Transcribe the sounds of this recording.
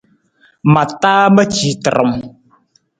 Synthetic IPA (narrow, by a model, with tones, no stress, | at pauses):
ma˨taː˦mə˦t͡ʃi˨tə˨ɾə̰˨m